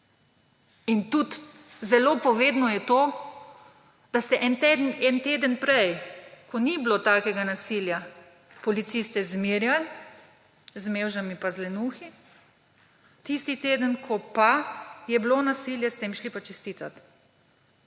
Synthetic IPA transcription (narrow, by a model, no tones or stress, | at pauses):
int̪ut̪ | zɛloːpɔʋeːd̪nɔjɛt̪oː | d̪̥ast̪ɛʔɛnt̪d̪nɛnt̪eːd̪ənpɾɛjkʰɔniblot̪aːkɛɡanasilja | pɔlit̪sist̪ɛzmiɾjal | zmeːwʒamipazlɛnuːxi | t̪ist̪it̪eːd̪ənkʰɔpajɛblonasiljɛst̪emʃlipat͡ʃɛst̪iːt̪at̪